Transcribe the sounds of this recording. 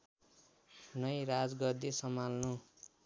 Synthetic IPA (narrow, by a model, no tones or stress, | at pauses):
nʌjɾad͡zɡʌd̪isʌmalnu